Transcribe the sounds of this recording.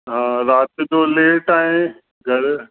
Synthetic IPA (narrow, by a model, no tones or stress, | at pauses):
ɦãːɾaːt̪ɪd͡ʑoːleːʈaːẽ | ɡʱɐɾ